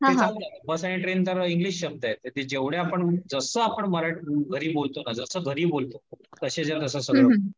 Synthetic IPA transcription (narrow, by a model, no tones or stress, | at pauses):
ɦãed͡zabəsaɽ̃iʈɾent̪əɾiŋɡliɕːəb̚d̪ajet̪et̪ed͡ʑeʋɽeapəɳd͡zəsəːapəɳməɾaʈɡʱəɾiːbolt̪onad͡zəsəːɡʱəɾiːbolt̪ot̪əɕed͡zat̪əs̬əsəɡɾə